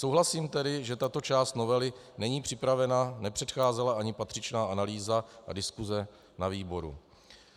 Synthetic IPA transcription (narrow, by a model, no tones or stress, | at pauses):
sowɦlasiːmt̪ɛdɪʒɛt̪at̪o̞t͡ʃaːst̪no̞vɛlɪ | nɛɲiːpr̥ɪpɾavɛnanɛpr̥ɛt̪xaːzɛlaʔaɲɪpat̪r̥ɪt͡ʃnaːʔanaliːzaʔa̰dɪskuzɛ | naviːbo̞ɾṵ